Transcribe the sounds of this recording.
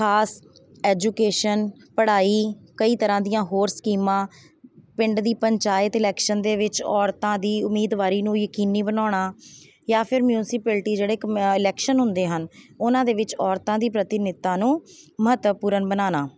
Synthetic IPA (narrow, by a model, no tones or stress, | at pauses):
kʰaːs | ɛːd͡ʒuːkeːʃən | pəɽaːiːkəiːt̪əɾãːd̪ɪjãːɦoːɾskiːmãː | pɪɳɖd̪iːpəɲt͡ʃaːɪt̪ɪlɛːkʃənd̪eːʋɪt͡ʃɔːɾt̪ãːd̪iːʊmːiːd̪ʋaːɾiːnũːjəkiːniːbənaːɳ̃aː | jaːpʰɪɾmjuːnɪsɪpɛːlʈiːd͡ʒeːɽeːkɪlɛːkʃənɦʊnd̪eːɦənʊnãːd̪eːʋɪt͡ʃɔːɾt̪ãːd̪iːpɾət̪ɪnɪt̪ːãːnũːməɦət̪ʋəpuːɾənbənaːnaː